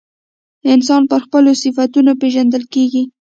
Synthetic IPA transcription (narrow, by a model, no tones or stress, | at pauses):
ɪns̬ɑnpəɾxpəlosɪfat̪unopeʒand̪əlkeɡi